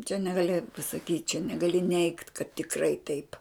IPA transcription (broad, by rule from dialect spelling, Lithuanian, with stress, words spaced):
t͡ʃʲɛ nʲɛɡɐˈlʲɪ pɐsɐˈkʲiːtʲ t͡ʃʲɛ nʲɛɡɐˈlʲɪ nʲɛɪkt kɐt tʲɪkˈrɐɪ tɐɪp